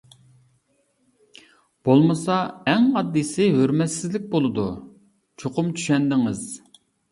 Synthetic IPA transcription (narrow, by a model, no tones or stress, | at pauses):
b̥olˠmɨsɑɛŋɑd̪ːisɪɦøɾmɛsɪzlɪk̚ʲbolˠɨd̪u | t͡ʃʰoqʊmt͡ʃʰy̥ʃɛnd̪ɪŋɪz̥